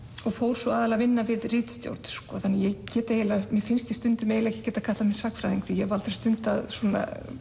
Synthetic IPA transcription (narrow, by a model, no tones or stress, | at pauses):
ɔɣfoːwɾ̥sɔaːðalavɪnːavɪðrɪːt̪st̪jo̰wɾt̪skɔθanːɪjɛɣcɛːt̪aelamjɛfɪnst̪ɪst̪ʏnt̪ʏmeːjlɛcɪ̥cɛːt̪akʰat̪lamɪnsaːkfɾajðiŋkθijɛɣvalt̪ḁɾ̥st̪ʏnt̪aðsuɔːna̰